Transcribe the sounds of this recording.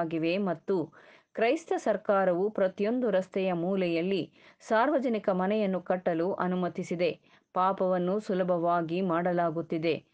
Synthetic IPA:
ɡiʋe̞mɐt̪ːu | kɾɐjst̪ɐsɐɾkaːɾɐʋupɾɐt̪ijo̞nd̪uɾɐst̪ʰɛjɐmuːlɛjɐlːi | saːɾʋɐd͡ʒɐnikɐmɐnɛjɐnːukɐʈːɐluʔɐnumɐt̪isid̪e̞ | paːpɐʋɐnːusulɐbʱɐʋaːɡimaːɽɐlaːɡut̪ːid̪e̞

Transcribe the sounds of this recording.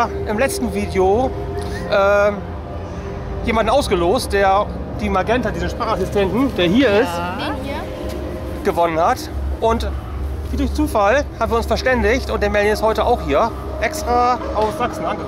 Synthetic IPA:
ʔɪmlɛt͡stn̩viːdeo | ʔɛː | jeːmandn̩ʔaʊsɡ̥əloːst̚d̥eːɐ | d̥iːmaɡɛntadiːzəʃpʁ̥aːχasɪstʰɛntn̩d̥eːɐɦiːɐɪst | ɡ̥əvɔnənhat | ʔʊnt | viːdʊɐçt͡suːfalhaːbmviɐʊnsfɛɐʃtɛndɪçtʊntd̥eːɐmɛldəɪsthɔʏtəʔaʊxhiːɐ | ʔɛkstʁ̥aːʔaʊfsz̥aksn̩ʔanɡə

